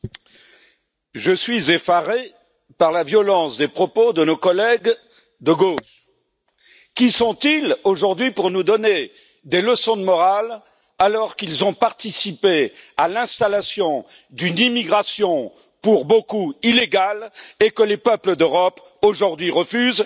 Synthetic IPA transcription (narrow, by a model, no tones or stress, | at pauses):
ʒəsɥizefaʁe | paʁlavjɔlɑ̃sd̪epχɔpod̪ənokɔlɛɡ | d̪əɡoʃ | kʲisɔ̃t̪iloʒuʁd̪ɥipuʁnud̪ɔne | d̪eləsɔ̃d̪əmɔʁal | alɔʁkilzɔ̃paʁt̪isipealɛ̃st̪alasjɔ̃ | d̪ynimiɡʁasjɔ̃ | puʁbokuileɡalekəlepœpləd̪øʁɔp | oʒuʁd̪ɥiʁəfyz